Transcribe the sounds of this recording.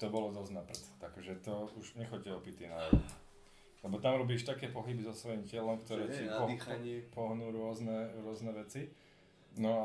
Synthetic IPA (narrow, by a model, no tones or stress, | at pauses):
t̪ɔbɔlɔd̪ɔznapr̩t͡st̪akʒɛt̪ɔuʒɲɛxɔcɛɔpit̪inajɔn | lɛbɔt̪amɾɔbiːʃt̪akɛːpɔɦibizɔsʋɔjimcɪɛlɔmkt̪ɔɾɛːipɔɲpɔɦnuːɾʊɔznɛɾʊɔznɛʋɛt͡si | nɔa